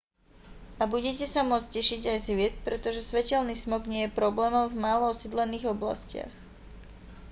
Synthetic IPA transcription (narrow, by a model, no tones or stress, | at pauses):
abuɟɛcɛsamʊɔt͡scɛʃiɟajzɦʋɪɛst̪̚pɾɛt̪ɔʒɛsʋɛcɛlniːsmɔɡɲɪɛjɛpɾɔblɛːmɔʊvmaːlɔɔsid̪lɛniːɣɔbla̰scɪa̰x